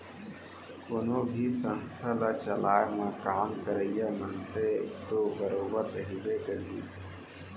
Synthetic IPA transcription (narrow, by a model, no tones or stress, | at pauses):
konobʱisə̃nst̪ʰalat͡ʃəlaːmẽkaːmkəɾəijamənsekt̪oːɡəɾoːbət̪əɦibekəliː